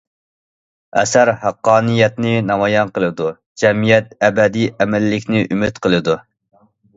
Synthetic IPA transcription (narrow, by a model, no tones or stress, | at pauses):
ɛ̰sæɾhæqːɑːnɨjɛt̪nɪnɑmɑjɑnqəlˠɨd̪u | d͡ʒɛmijɛt̪̚ɛbɛd̪ijʔɛmælːɪkʲnɪʔymyt̪qʰəlˠɨd̪u